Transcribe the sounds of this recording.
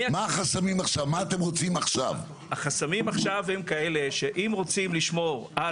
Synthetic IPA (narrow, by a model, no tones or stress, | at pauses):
maːχasamimaχʃavmaːt̪emʁot͡simaχʃa̰v | aχasamimaχʃavhemkae̞le̞ʃeʔimʁo̞t͡simliʃmo̞ʁa